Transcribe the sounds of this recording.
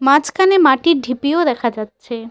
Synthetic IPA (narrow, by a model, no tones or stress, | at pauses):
mãt͡ɕkanemaʈiɾɖʱipiod̪ɛkʰad͡ʑatːɕʰe